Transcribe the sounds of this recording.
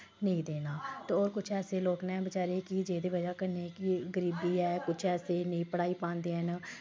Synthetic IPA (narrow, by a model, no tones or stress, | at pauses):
nəĩːd̪eːnaːt̪eːoːɾkʊt͡ʃʰɛːseːloːknɛ̃ːbət͡ʃaːɾeːkɪd͡ʒeːd̪eːʋəd͡ʒaːkəɾneːkɪɡəɾiːbiːɛːkʊt͡ʃʰɛːseːnĩːpəɽaːiːpãːnd̪eːɦən